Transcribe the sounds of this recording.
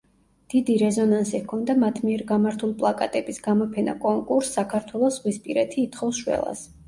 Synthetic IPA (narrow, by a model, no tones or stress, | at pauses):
d̪̥id̪iɾɛzɔnansikʰɔnd̪amat̪ʰmiɛɾɡamaɾt̪ʰulˠipʼlˠakʼat̪ʼɛbisɡamɔpʰɛna̰kʼɔŋkʼuɾsːakʰaɾt̪ʰwɛlˠɔsʁwispʼiɾɛt̪ʰiːt̪ʰχɔfsʃwɛ̰lˠa̰s